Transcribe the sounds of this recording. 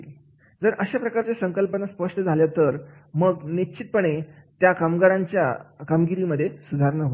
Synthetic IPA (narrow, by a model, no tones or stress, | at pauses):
d͡zəɾʔəɕapɾəkaɾt͡ɕesəŋkəlpənaspəʂʈəd͡zʱaljat̪əɾməɡnit͡ɕit̪̚pəɳ̃et̪jakamɡaɾãɲt͡ɕja̰kamɡiɾiməd̪ʱːjesud̪ʱaɾnəɦo